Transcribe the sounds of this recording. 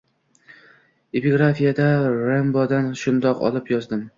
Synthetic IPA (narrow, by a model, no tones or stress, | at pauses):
epiɡɾafijad̪aɾembɒd̪anʃʊnd̪ɒqɒ̰lˠɪpjɒzd̪ɪm